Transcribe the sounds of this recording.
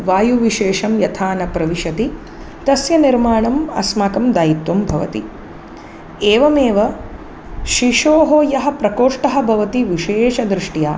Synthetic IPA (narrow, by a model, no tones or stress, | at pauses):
ʋaːjuʋiʃeːʃɐmjɐt̪ʰaːnɐpɾɐʋiʃɐt̪i | t̪ɐsjɐniɾmaːɳɐmɐ̰smaːkɐmd̪aːjit̪wɐmbʱɐʋɐ̰t̪i | eːʋɐmeːʋɐ | ʃiʃoːɦoːjɐɦɐ̆pɾɐkoːʂʈɐɦɐ̆bʱɐʋɐt̪iʋiʃeːʃɐd̪ɾiʂʈijaː